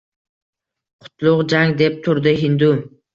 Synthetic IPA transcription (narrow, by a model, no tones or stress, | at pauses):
qʰʊ̥t̪ʰlˠʊqd͡ʒaŋd̪e̞p̚t̪ʰʊɾd̪ɪɦɪnd̪ʊ